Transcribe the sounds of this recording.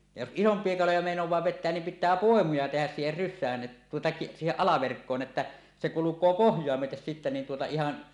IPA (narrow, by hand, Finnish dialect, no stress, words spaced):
jɑ jos ʔisompˑie kɑlojɑ meˑinowˑɑː ʋetˑeæn nim pitˑæː poˑemujɑ tehæs siːher rysːæːn ʔet tuotɑ ki siːheʔ ʔɑlɑʋerkːoːn etːæ se kulukˑoː pohjˑoɑ myøtes sitːe niːn tuotɑ ihɑn